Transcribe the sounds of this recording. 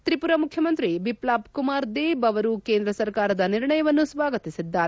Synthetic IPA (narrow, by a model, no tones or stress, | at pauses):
t̪ɾipuɾɐmukʰjɐmɐnt̪ɾibʱiplaːpkumaːɾd̪eːbɐʋɐɾukeːnd̪ɾɐsɐɾkaːɾɐd̪ɐniɾɳɐjɐʋɐnːusʋaːɡɐt̪isid̪ːaːɾe